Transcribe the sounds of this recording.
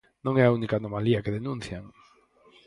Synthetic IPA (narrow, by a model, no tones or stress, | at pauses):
nõŋɛaunikaːnomaliakeðenũn̟θjaŋ